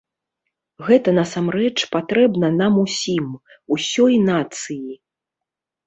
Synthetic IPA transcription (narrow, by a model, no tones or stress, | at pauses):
ɣɛt̪ɐnɐsamɾɛt͡ʂpat̪ɾɛbnɐnamusʲim | usʲɔjnat̪sɨji